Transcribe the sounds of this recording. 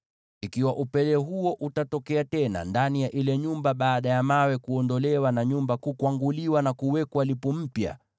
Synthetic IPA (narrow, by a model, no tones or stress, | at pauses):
ikiwaʔupɛlɛɦuɔʔutatɔkɛatɛna̰ndanijaʔilɛɲumbaɓaːɗajamawɛkuɔndɔlɛwanaɲumbakukwaŋɡuliwanakuwɛkwalipɔm̩pja̰